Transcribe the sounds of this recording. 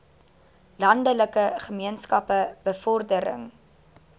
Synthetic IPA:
lɐndələkəχəmiənskɐpəb̥əfɔrdəɾə̰ŋ

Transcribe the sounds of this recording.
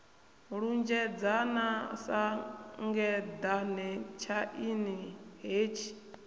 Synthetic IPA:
ɺund͡ʒɛd͡zanasaŋɡɛd̪anɛt͡ʃʰaʔiniɦeːt͡ʃʰi̥

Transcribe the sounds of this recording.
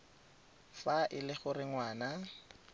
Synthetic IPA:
faʔɪlɪχʊrɪŋwaːna

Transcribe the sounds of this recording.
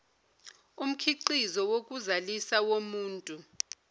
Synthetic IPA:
um̩kʰiǃizɔwok̬ʼuzalisawomuːntʼu

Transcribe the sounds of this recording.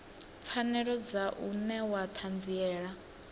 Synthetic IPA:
p̪fʰanɛɺɔd͡zaʔunɛwat̪ʰand͡ziɛːɺa

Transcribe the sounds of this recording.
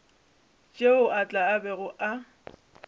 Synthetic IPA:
t͡ʃʼeʊʔat͡ɬʼaːbɛɣʊʔa

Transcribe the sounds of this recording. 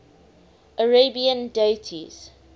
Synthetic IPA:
ʔəɹebiə̃ndetʰiz̥

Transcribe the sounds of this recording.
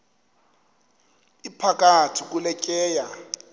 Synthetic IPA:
ipʰak̬ʼatʰik̬ʼulɛkʼɛːja

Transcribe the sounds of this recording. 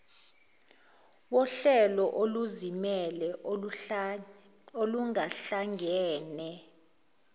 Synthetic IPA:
wɔɬɛlɔʔoluzimɛlɛ | oluŋaɬaŋɡʱɛːnɛ

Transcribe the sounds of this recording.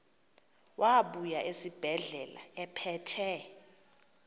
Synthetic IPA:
waɓujaʔesib̥ʱɛɮɛla̰ɛpʰɛtʰɛ

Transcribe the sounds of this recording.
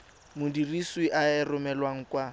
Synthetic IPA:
mʊdiriswiʔaɪrʊmɛlwaŋ̩kʼwa

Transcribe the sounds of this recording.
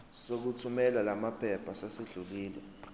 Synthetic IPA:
sok̬utʰumɛlalamapʰɛpʰasasiɮuliːlɛ̰

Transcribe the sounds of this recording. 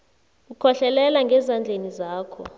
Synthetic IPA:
ukʰɔɬɛlɛlaŋɡʱɛzand͡ɮʱenizaːkʰɔ̰

